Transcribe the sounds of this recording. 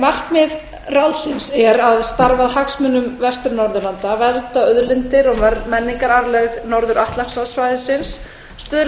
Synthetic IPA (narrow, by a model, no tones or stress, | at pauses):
mar̥t̪mɪð | ralsɪnsɛɾaðst̪aɾvaðhaksmʏnʏmvɛst̪ʏɾnɔɾðʏɾlant̪avɛɾt̪aœðɾlɪnt̪ɪɾɔɣmɛɾmɛnːiŋkaɾaɾlɛɣnɔɾðʏɾaht̪laksaðsvaːjðɪsɪnsː | t̪ʏð